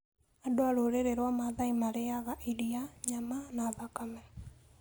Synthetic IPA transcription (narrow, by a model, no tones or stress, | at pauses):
adoaɾoɾeɾeɾwamaðaimaɾeaɣaʔiɾiaɲamanaðakamɛ